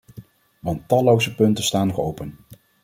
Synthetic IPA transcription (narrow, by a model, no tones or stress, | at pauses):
ʋɑntːɑlowzəpɵntənstaːnːɔχowpən